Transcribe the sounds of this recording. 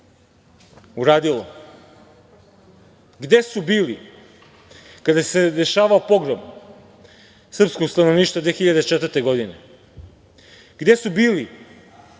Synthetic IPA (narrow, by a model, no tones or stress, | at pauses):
uɾaːd̪ilo̰ | ɡd̪e̞subiːli | kad̪ase̞d̪e̞ʃaːʋaopo̞ɡɾom | sr̩pskokst̪anoʋniːʃt̪vad̪ʋexiʎad̪et͡ʃet̪vəɾt̪e̞ɡo̞d̪ine̞ | ɡd̪e̞subiːli